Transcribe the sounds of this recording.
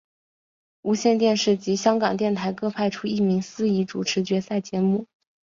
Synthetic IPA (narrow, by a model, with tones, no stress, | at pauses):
u˧˥ɕjɛ˥˧nt̪jɛ˥˧nʂɻ̩˥˩t͡ɕi˧˥ɕjɑ˥ŋkɑ˨˩ŋt̪jɛ˥˩nt̪ʰa˧˥ɪkɤ˥˧pʰa˥˧ɪʈ͡ʂʰu˥i˥˩mi˧˥ŋsɹ̩˥i˧˥ʈ͡ʂu˨˩ʈ͡ʂʰɻ̩˧˥t͡ɕɥɛ˧˥sa˥˩ɪt͡ɕjɛ˧˥mu˥˩